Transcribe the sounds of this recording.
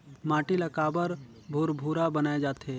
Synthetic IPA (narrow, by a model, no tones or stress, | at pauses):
mãːʈilɐkaːbəɾ | bʱoːɾbʱuːɾabɐnaːed͡ʒaːt̪e